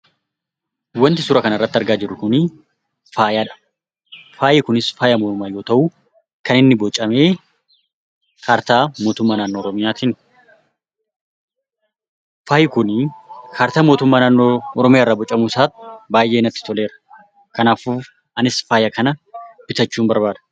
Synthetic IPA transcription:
wɐnt̪ɪsʊɾɐkɐnɐrːɐt̪ːɪɐɾɡaːd͡ʒɪrːʊkʊnɪ | faːjaːᶑɐ̥ | faːjɪkʊnɪsfaːjamɔːʊmaːjo̞ːt̪ɐʔuː | kɐnɪnːɪbɔt͡ʃʼɐme̞ː | kʰaːɾt̪aːmo̞ːt̪ʊmːaːnaːnːoːɔɾɔmɪjaːt̪iːn | faːjɪkʊnkʰaːɾt̪aːmoːt̪ʊmːaːnaːnːoːɔɾɔmɪjaːrːaːbɔt͡ʃʼːɐmuːsaːt̪ɪbaːjʔeːnɐt̪ːɪ̥t̪ɔle̞ːɾɐ̥ | kɐnaːfuː | ɐnɪsfaːjɐkɐnɐbɪt̪ɐt͡ʃːuːmbɐɾbaːd̪ɐ̥

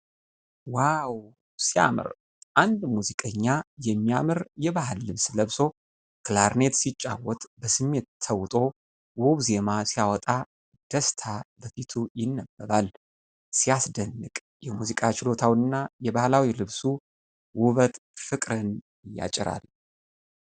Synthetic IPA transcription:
waw | sija̰mɨ̰ɾ | ʔand̪muzikʼəɲːajɛmːijamɨɾjɛβahalːɨβsləβso̞ | kʰlaɾne̞t̪sit͡ʃʼːa̰wɔt̪ʼbəsɨmːe̞t̪t̪ʰːəwt̪ʼo̞ | wuβze̞masijawɔt̪ʼa | d̪̥əst̪ʰabəfit̪ʰujɪnːəbːəɾal | sijasd̪ənːɨkʼ | jɛmuzikʼat͡ʃɪlo̞t̪ʰawnːajɛbahlawilɨβsu | wʊβət̪fɨkʼɾən | ja̰t͡ʃʼɪɾa̰l

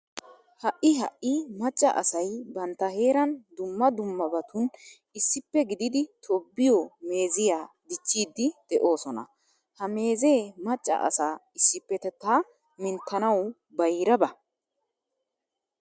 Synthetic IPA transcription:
hɐʔːɪɦɐ̰ʔːɪmɐt͡ʃʼːɐ̰ʔɐ̰sɐjbɐnt̪ːɐhe̞ːɾɐnd̪ʊmːɐd̪ʊmːɐbɐt̪ʊn | ɪsːɪpːɛɡɪd̪ɪd̪ɪt̪ʰɔbːɪjɔme̞ːzɪjaː | d̪ɪt͡ʃːiːd̪ːɪd̪̥ɛʔo̞ːsɔnɐ̰ | hɐme̞ːze̞ːmɐt͡ʃʼːɐ̰ʔɐ̰saːɪsːɪpːɛt̪ɛt̪ːa | mɪnt̪ːɐnɐw | bɐjɾɐbɐ

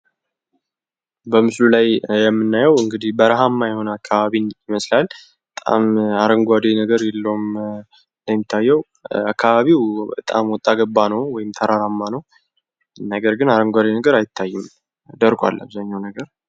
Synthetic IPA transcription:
bəmɨslulajjɛmːɨnːajəwɨŋɡɨd̪ihbəɾaɦamːajɪho̞nəakʰːaβaβinjɪməslal | bət̪ʼa̰maɾəŋɡʷad̪enəɡəɾjɛlːəwm | nd̪əmːit̪ʰːajːɛw | akʰːaβaβiwbət̪ʼa̰mwɔt̪ʼːaɡəbːanəwwɔjɪmt̪ʰəɾaɾamːanəw | nəɡəɾɡɨnaɾəŋɡʷad̪enəɡəɾajɪt̪ʰːajːɨm | d̪əɾkʼʷa̰lːa̰βzaɲːawnəɡəɾ

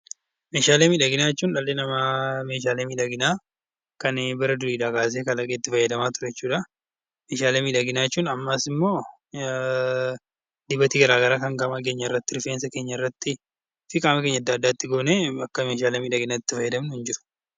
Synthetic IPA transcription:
me̞ːʃaːleːmiᶑɐɡɪnaːɛt͡ʃːuːnᶑɐlːeːnɐmame̞ːʃ̬aːleːmiᶑɐɡɪnaː | kɐnbɪɾɐd̪ʊɾiːᶑaːkaːs̬eːkɐlɐkʼeːt̪ːɪfɐjːɐd̪ɐmaːt̪ʊɾɐɛt͡ʃːuːᶑɐ | me̞ːʃaːleːmɪᶑɐɡɪnaːɛt͡ʃːuːnɐmːaːsɪmːo̞ː | d̪ɪbɐt̪iːɡɐɾaːɡɐɾaːkɐŋɡɐmɐk̬e̞ːɲːɐɪrːɐt̪ːɪɾɪfeːnsɐke̞ːɲːɐɪrːɐt̪ːɪ | fɪkʼaːmɐke̞ːɲːɐd̪ːɐːd̪ːaːɪt̪ːɪɡo̞ːneːɐkːɐme̞ːʃ̬aːleːmɪᶑɐɡɪnaːɪt̪ːɪfɐjːɐd̪ɐmnʊhɪnd͡ʒɪɾʊ̥

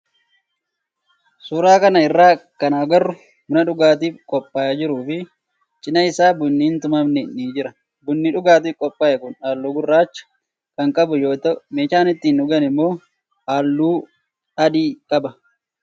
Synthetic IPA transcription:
suːɾaːkɐnɐɪrːaːkɐnaːɡɐrːʊ | mʊnɐᶑʊɡaːt̪̬iːkʼɔpʼːaːjɐd͡ʒɪɾuːfɪ | t͡ʃʼɪnɐɪsaːbʊnːiːnt̪ʊmɐmnɛnːiːd͡ʒɪɾɐ | bʊnːiᶑʊɡaːt̪iːkʼɔpʼːaːjɐkʊnaːlːuːɡʊrːaːt͡ʃːɐ̥ | kɐŋkʼɐbʊjo̞ːt̪ɐʔʊmeːʃaːnɪt̪ːiːnʊɡɐnɪmːo̞ː | ʔaːlːuː | ɐd̪iːkʼɐbɐ

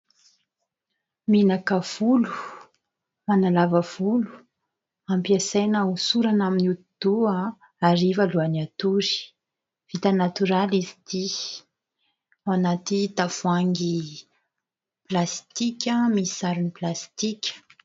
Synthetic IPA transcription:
minakəv̥ulu̥ | manalavəv̥ulu̥ | ampiasajnəusuɾanaminut̪id̪̥ua | aɾivaluaniat̪uɾi̥ | v̥it̪anat̪uɾalizi̥t̪i | anat̪id̪afuaŋɡi | plast̪ikʲəmisaɾuniplast̪ikʲə̥

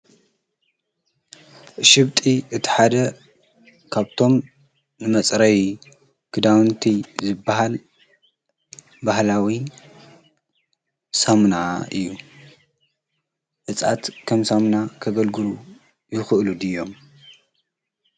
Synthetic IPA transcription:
ʃɪβt̪ʼiʔɨt̪ʰi̥ħad̪ɐ | kʰaβt̪ʰo̞m | nɨmɐt͡sʼɾɐji | kʰɨd̪awnt̪ʰizɨbːaɦal | bahlawi | samnaʔɨjːu | ʔɨt͡sʼat̪kʰɐmsamnakʰɐɡɐlɡɨlu | jɪxɨʔlud̪ɨjːo̞m

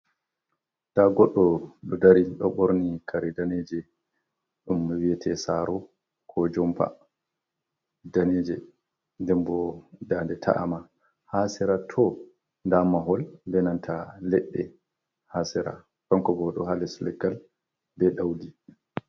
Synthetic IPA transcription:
taɡɔɗːɔɗɔdaɾiɗɔɓoɾnikʰaɾɛdaned͡ʒɛ | ɗumːwiɛtʰɛsaɾɔ | kʰɔd͡ʒɔmpa̰ | daned͡ʒɛ | ndɛmbɔdandɛtʰa̰ʔa̰ma | hasɛɾatʰɔ | ndamaɦɔlːɛnantʰalɛɗːɛ | hasɛɾa̰ | kɔŋkɔbɔɗɔɦalɛsulɛɡal | bɛɗawdi

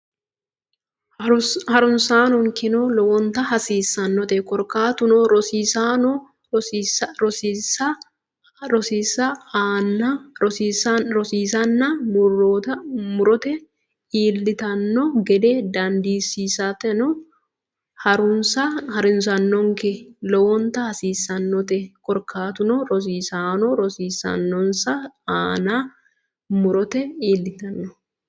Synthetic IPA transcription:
hɐɾʊnsaːnɔŋkɪnɔlɔwɔnt̪ɐhɐsiːsːɐnːɔt̪ɛkɔɾkaːt̪ʊnɔɾɔsiːsanɔ | ɾɔsisɐ | ɾɔsiːsːɐnɐsiːsɾɔsiːsɐnːɐmʊrːoːt̪ɐmʊɾɔt̪ɛ | iːlːɪt̪ɐnːɔɡɛd̪eːd̪ɐnd̪iːsiːsat̪ɛnɔ | hɐɾʊnsaːhɐɾɪns̬ɐnːɔŋkelɔwɔnt̪ɐhɐsiːsɐnːɔt̪ɛkʼɔɾkʰaːt̪ʊnoɾɔs̬iːsaːnoɾɔsiːsɐ̰nːɔnsaːaːnaː | mʊɾɔt̪ɛiːlːɪt̪ɐnːɔ

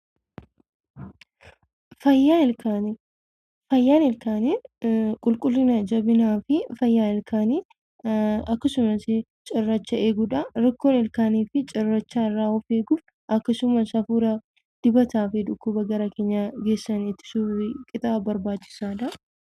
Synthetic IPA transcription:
fɐjːaːɪlkan | fɐjːaːnɪlkaːnekʼʊlkʼʊlːɪnɐd͡ʒɐbɪnaːfɪfɐjːaːɪlkʰaːni | ɐkːɐsʊmɐsɪ | t͡ʃʼɪrːɐt͡ʃːɐe̞ːɡʊᶑɐɾɐkːoːnɪlkaːniːfɪt͡ʃʼɪrːɐt͡ʃːaɪrːaːɔfe̞ːɡuːf | ʔɐkːɐsʊmɐsɐfuːɾɐ | d̪̥ɪbɐt̪aːfɪᶑ̪ʊkːʊbɐɡɐɾɐke̞ːɲːaɡe̞ːsːɐnɪt̪ːɪ̥suːɪkʼɪt̪ʼaːbɐɾbaːt͡ʃːɪ̥saːᶑ̪ɐ

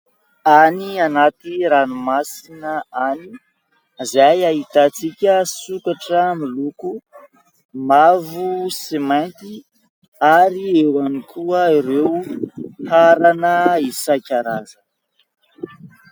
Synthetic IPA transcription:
anianat̪iɾanumasinəani | zajait̪at͡sikʲəsukaʈ͡ʂəmiluku | mavusimajnt̪i | aɾiewanikʰuəiɾewhaɾanəisajkʲaɾazə

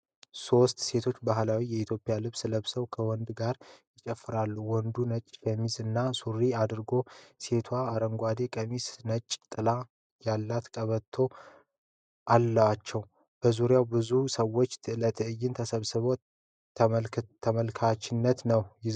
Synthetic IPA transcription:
so̞st̪se̞t̪ʰo̞t͡ʃːbaɦlawijɛit̪ʰjo̞pʼːɪjalɨβsləβsəwkʰəwɔnd̪ɡaɾjɪt͡ʃʼɛfːɨɾalːuwɔnd̪unət͡ʃʼːkʰʼəmisɨnːasuriad̪ɨɾɡo̞se̞t̪ʰwaːɾəŋɡʷad̪e̞kʼəmisnət͡ʃʼːt̪ʼɨla | jalːat̪kʼəβət̪ʰːo̞ | ʔalːəwat͡ʃːɛw | b̥əzuɾjawbɨzusəwːot͡ʃːt̪ʰɨlət̪ʰɨɨjːɪnt̪ʰəsəβsɨβo̞ | t̪ʰːəmt̪ʰːəməlkʰat͡ʃːɪnːət̪nəwjɪ

